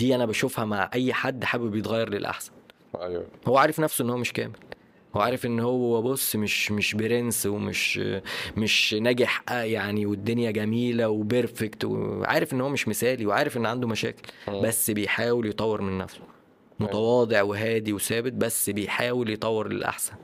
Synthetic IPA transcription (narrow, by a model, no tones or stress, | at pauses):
d̪iːʔænæbæʃofhæmaʕʔæjːħad̪ːħaːbbejet̪ˤɣɑjːɑɾˤlelʔa̰ħsæ̥n | howːæʕaːɾefnæfsoʔenːhowːæmeʃkæ̰ːmel | howæʕaːɾefʔenːhowːowːæbosːmeʃmeʃbeɾenswemḛʃ | meʃnæɡeħʔæjaʕniwed̪ːonjæɡæmiːlæwebeɾfekt̪wḛʕa̰ːɾefʔenːhowːæmeʃmesæːliweʕaːɾefʔenːʕand̪omæʃæ̰ːke̥lbæsːbejħaːweljet̪ˤɑwːeɾmenːæ̰fso̥ | mot̪ɑwɑːd̪ˤeʕweɦæːd̪iwesæːbet̪̚bæsːbejħaːweljet̪ˤɑwːeɾlḛlʔa̰ħsæn